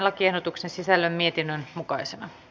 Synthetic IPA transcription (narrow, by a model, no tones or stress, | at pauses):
lːɑkiehdot̪uksensisælːømmie̞t̪inːønmukɑisenɑ